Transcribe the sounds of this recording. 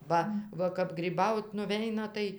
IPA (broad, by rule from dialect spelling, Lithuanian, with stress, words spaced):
ˈbɐ ʋɐ kɐp ɡrʲiːˈbɐʊt nʊˈʋʲɛɪnɐ ˈtɐɪ